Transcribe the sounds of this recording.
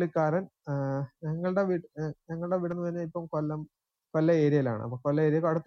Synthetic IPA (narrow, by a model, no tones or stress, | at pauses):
ɭikːaːɾɐn | ɲɐŋːɐɭɨɽeʋiʈɲɐŋːɐɭɨɽe̞ʋiɽɐnːɨʋɐɾɲːɐipːɐmkolːɐm | kolːɐe̞ːɾijɐla̰ːɳɨ̰ɐ̰pːɐkolːɐe̞ːɾijɐkɐɽut̪ː